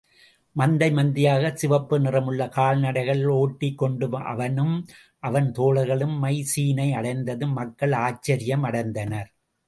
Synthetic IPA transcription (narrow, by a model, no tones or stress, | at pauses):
mɐnd̪ɐɪmɐnd̪ɪjaːɣɐsɪʋɐpːɯnɪrɐmɯɭːɐkaːlnɐɽɐɪɣɐɭoːʈːɪkːɔɳɖɯʔɐ̰ʋɐnɯm | ʔɐʋɐnt̪oːlɐɣɐɭɯmːɐɪsiːnɐɪɐɽɐɪnd̪ɐðɯmɐkːɐɭaːt͡ʃːɐɾɪjɐmɐɽɐɪnd̪ɐnɐɾ